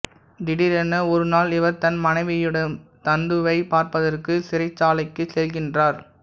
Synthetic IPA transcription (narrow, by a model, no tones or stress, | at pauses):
d̪ɪɽɪɾɛnɐɔɾɯnaːlɪʋɐɾt̪ɐnmɐnɐɪʋɪjɪɽɐmt̪ɐnd̪ɯʋɐɪpaːɾpɐðɐrkɯsɪɾɐɪt͡ʃːaːlɐɪkːɯsɛlɣɪndraːɾ